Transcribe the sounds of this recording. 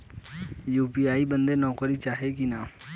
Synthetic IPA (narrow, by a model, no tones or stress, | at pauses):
juːpiaːibɐ̃nd̪enɔːkəɾit͡ʃaːɦekinaː